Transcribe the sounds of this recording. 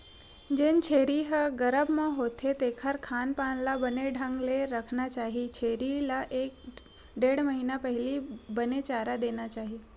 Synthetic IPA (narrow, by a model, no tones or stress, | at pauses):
d͡ʒeːnt͡ʃʰeːɾiɦəɡəɾəbmãɦoːt̪ʰet̪eːkʰəɾkʰaːnpaːnlabəneɖʱə̃ŋɡleɾəkʰnat͡ʃaːɦit͡ʃʰeːɾilaʔeːk̚ | ɖeːɽməɦinapəɦɪlibənet͡ʃaːɾad̪eːnat͡ʃaːɦie